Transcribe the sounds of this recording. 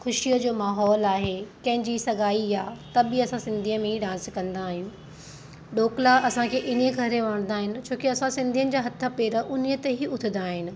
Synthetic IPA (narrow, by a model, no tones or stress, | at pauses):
xʊʃiəd͡ʑoːmaːɦɔːlaːɦekɐ̃ɦɪ̃ɲd͡ʑisɐɡʱaːiaːt̪ɐbɪɐsãsɪ̃nd̪ʱiːəmẽɦiɗãːskɐ̃nd̪aːɦɪjũ | ɗoːklaɐsãkʰeːʔɪnekʰɐɦɾeʋɐɽ̃nd̪aːɦɪnɪ̆t͡ɕʰoːkiɐsãsɪ̃nd̪ʱijənɪ̆d͡ʑaːɦɐt̪ʰə̆peːɾəʔʊn̤ijət̪eɦiʊt̪ʰɪ̆nd̪aːɦɪnɪ̆